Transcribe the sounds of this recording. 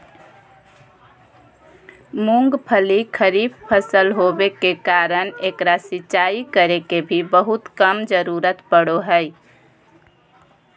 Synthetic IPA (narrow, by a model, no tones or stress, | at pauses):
muŋɡpʰəlikʰəɾib̚pʰəsəlɦobekekaɾənekɾasit͡ʃaikəɾekebʱibəɦut̪kəmd͡ʒəɾuɾət̪pəɽoɦəj